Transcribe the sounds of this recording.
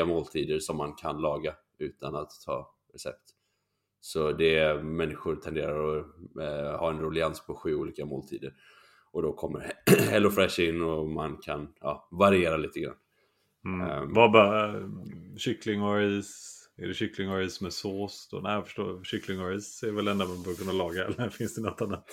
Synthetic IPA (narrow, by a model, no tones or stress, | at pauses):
amoːlt̪ʰiːd̪əɾʂɔmːankʰanlɑːɡa | ʉ̟ːt̪anat̪ʰːɑ̰ː | ɾɛsɛ̰p̚t̪ | sɔd̪ɛmɛnːɪɧʊɾt̪ʰɛnd̪eːɾaɾɔ | hɑːɛnɾʊlɪanspʰɔɧy̟ːuːliːkamoːlt̪ʰḭːd̪əɾ | ɔd̪ɔkʰɔmːə̰ɾhɛlːʊfɾɛʂɪnːɔmankʰanjɑ̰ːvaɾɪeːɾaliːt̪əɡɾa̰nː | vabɑ | ɕʏklɪŋɔɾɪsɛ̰ɖɛɕʏklɪŋɔɾɪsmɛsoːsɔ̰næɪfœ̥ʂʈo̰ːɕʏklɪŋɔɾɪsɛɾvɛlɛnd̪amanbœːɾkɵnːalɑːɡaɛ̰lɾfɪnsd̪ɛnɔt̪ʰːanət̪